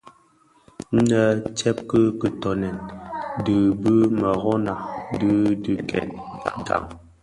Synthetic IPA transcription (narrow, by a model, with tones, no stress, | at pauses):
n̩˦nə˨t͡ʃɛ˦p̚kə˦kə˨tɔ˨nɛ˨ndɨ˨bɨ˦mə˨ɣɔ˦na˨dɨ˦dɨ˨kɛ̰˨n˨ | ɡa̰˨ŋ